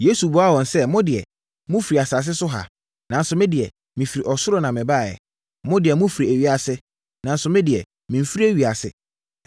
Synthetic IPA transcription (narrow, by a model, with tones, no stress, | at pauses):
je˦su˨bɔ˨˦a˦˨wɔ̃˨nsɛ˦mɔ̃˦dɪ˨ɛ̰˨ | mʊ̃˦fi˨ɾi˨a˨saː˨s̬ɪ˦sʊ˦ɦa̰˨ | nã˨n̩˦sʊ˨mɪ̃˦dɪ˨ɛ˨ | mĩ˨fi˨ɾi˨ʔɔ˨sʊ˦ɾɔ˦nã˨mɪ̃˨ba˦˨jɛ̰˨ | mʊ̃˦dɪ˨ɛ˨mʊ̃˦fi˨ɾi˨æ˨ɥi˨a˨sɪ˦ | nã˨n̩˦sʊ˨mɪ̃˦dɪ˨ɛ˨ | mĩ˨m˦fi˦i˦æ˦ɥi˨a˨sɪ̰˨